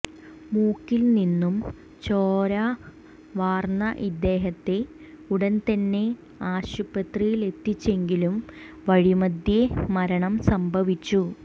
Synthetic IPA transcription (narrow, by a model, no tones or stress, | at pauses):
muːkːilninːum | t͡ɕoːɾa | ʋaːrnɐʔid̪ːe̞ːɦɐt̪ːe̞ | uɽɐnt̪ɐnːe̞ | aːɕubɐt̪rijile̞t̪ːit͡ɕːe̞ŋɡilum | ʋɐɻimɐd̪jemɐɾɐɳɐmsɐmbʱɐʋit͡ɕːu